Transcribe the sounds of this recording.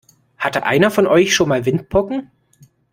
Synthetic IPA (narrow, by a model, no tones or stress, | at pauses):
hatəʔa̰ɪnɐfɔnʔɔʏçʃoːnmaːlvɪnt̚pʰɔkŋ̩